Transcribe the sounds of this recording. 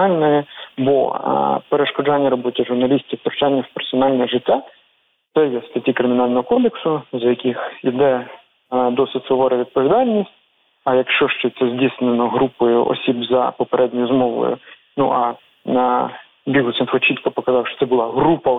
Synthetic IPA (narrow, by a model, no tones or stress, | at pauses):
ɑlʲnɔjɛbɔ̰peɾeʃkɔd͡ʒɑnʲːɐɾɔbɔtʲɐʒʊrnɐlʲisʲtʲiwt̪ɾt͡ʃɑnʲːɐwpersɔnɑlʲnɛʒɪtʲːa | t̪sɛjɛst̪ɐtʲikɾɪmʲɪn̪ɑlʲnɔɦɔkɔd̪eksʊzɐjɐkʲixid̪ɛ | d̪ɔsɪtʲsɔʋɔɾɛʋʲid̪̚pɔʋʲɪd̪ɑlʲnʲisʲtʲ | ɐjɐkʃt͡ʃɔʃt͡ʃɛt̪sɛzʲdʲisnenɔɦɾupɔjʊ̰ʔɔ̰sʲibzɐ̰pɔpeɾɛdʲnʲʊjʊzmɔʋʊ̰jʊ̰ | nṵʔɐ | nɐ | bʲiɦʊsɪnfɔt͡ʃit̪kɔpɔkɐzɑwʃt͡ʃɔ̥t̪ɛbʊlˠɑɦɾupɐ